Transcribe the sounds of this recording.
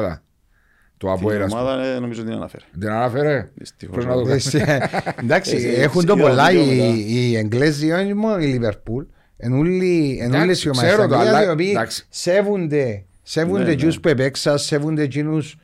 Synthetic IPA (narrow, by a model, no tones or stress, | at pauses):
ða̰ | t̪uaweɾasaðaenomisod̪ina̰na̰fḛɾd̪enanafeɾest̪fɾenaðos | d̪aksiexunt̪̬opolːaiieŋɡles̬d̪ionmoiliβeɾpul | enullienunlesjomaaioβi̥seβund̪e | seβund̪ed͡ʒuspwepeksasːeβund̪ed͡ʒinus